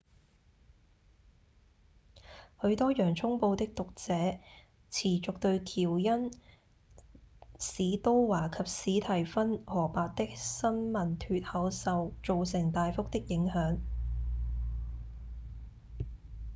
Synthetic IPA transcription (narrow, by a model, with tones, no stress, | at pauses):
hɵ˨˧˥ɥt̪ɔː˥jœː˨˩ŋt͡sʰʊ˥ŋpo˧wt̪ɪ˥k̚t̪ʊ˨k̚t͡sɛː˨˥ | t͡sʰiː˨˩t͡sʊ˨k̚t̪ɵ˧ɥt̪ʰiː˨˩wjɐ˥n | siː˨˥t̪o˥wwaː˨˩kʰɐ˨p̚siː˨˥t̪ʰɐ˨˩jfɐ˥nhɔː˨˩paː˨t̚t̪ɪ˥k̚sɐ˥nmɐ˨˩nt̪ʰyː˨t̚hɐ˨˥wsɐ˨˧wt͡ʃo˨ws̬ɪ˨˩ŋt̪aː˨jfʊ˥k̚t̪ɪ˥k̚jɪ˨˥ŋhœː˨˥ŋ